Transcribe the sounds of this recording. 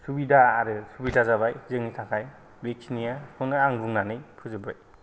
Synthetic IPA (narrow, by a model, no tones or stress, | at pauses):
subidaːɾɯsubidazaβajzɯŋnisʰakʰaj | bek̚sinijakʰɔnɯaŋbuŋnanɯjpʰɯzɯbɾa̰j